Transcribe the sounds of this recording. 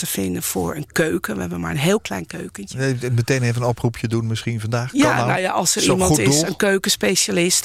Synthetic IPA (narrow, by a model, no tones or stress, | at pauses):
təfɪndənfʊ̰ːɹə̰nkøːkənʋəɦɛbənma̰ɹənɦeːlˠklɛ̰jnkøɥkənmətejneːvənɔprupʰjədunmɪsχinvɑndaːxjanawjaʔɔlˠsərimɔntɪsənkøːkənspeʃalɪst